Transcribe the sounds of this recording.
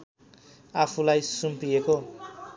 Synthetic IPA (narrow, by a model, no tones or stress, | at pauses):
apʰulajsumpieko